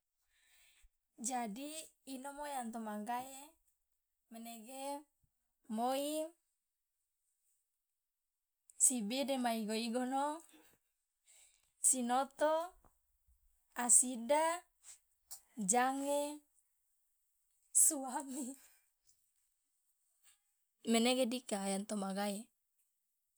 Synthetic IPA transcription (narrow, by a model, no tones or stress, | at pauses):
d͡ʒadiːnomojant̪omaŋɡae | meneɡe | moi | sibidemaiɡoiɡono | sinot̪o | asida | d͡ʒaŋe | suami | meneɡedikaːjant̪omaɡae